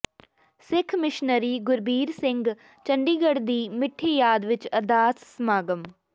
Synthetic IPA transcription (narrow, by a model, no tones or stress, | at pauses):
sɪkʰmɪʃnəɾiːɡʊɾbiːɾsɪ̃ŋɡ | t͡ʃə̃ɳɖiːɡəɽd̪iːmɪʈʰːeːjaːd̪ʋɪt͡ʃɐɾd̪aːssmaːɡəm